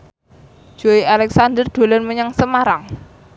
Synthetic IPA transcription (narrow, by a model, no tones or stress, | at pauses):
d͡ʒ̥oialɛksand̪ərd̪̥o̤lənməɲaŋsəmaɾaŋ